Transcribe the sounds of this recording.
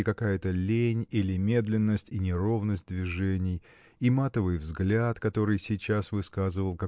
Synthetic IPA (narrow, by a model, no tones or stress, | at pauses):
ɪkɐkajət̪əlʲenʲilʲɪmʲe̞d̪lʲɪnːəsʲtʲinʲɪɾo̞vnəsʲt̚ʲd̪vʲɪʐɛnʲɪj | imat̪əvɨjvzɡlʲat̪kɐt̪o̞ɾɨjsʲɪt͡ɕasvɨskazɨvəlˠkɐ